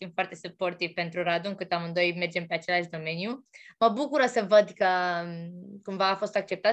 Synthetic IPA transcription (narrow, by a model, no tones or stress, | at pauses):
fimfoart̪e̞supo̞rt̪ivpe̞nt̪ɾuɾad̪uɨŋkɨt̪amɨnd̪o̞jme̞rd͡ʒe̞mpe̞at͡ʃe̞laʃ̬d̪o̞me̞njuməbukuɾəsəvəd̪kə | kumvaːfo̞st̪ak̚t͡ʃe̞p̚t̪a